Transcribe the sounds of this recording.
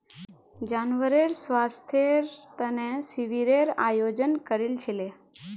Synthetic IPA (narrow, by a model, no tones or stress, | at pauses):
d͡ʒanʋəɾeɾsʋast̪ʰjeɾt̪ənesiʋiɾeɾajod͡ʒənkəɾilt͡ʃʰele